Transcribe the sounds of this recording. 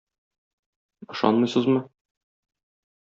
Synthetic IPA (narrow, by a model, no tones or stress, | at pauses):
ɤ̆ʃɑ̰nmɤ̆jsɤzmɤ